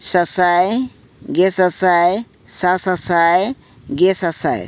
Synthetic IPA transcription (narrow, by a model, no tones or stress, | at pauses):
sɐsaj | ɡesɐsaj | sasɐsaj | ɡesɐsa̰j̰